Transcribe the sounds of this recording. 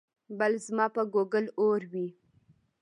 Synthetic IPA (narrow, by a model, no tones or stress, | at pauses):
balzmɑpəɡoɡəloɾwi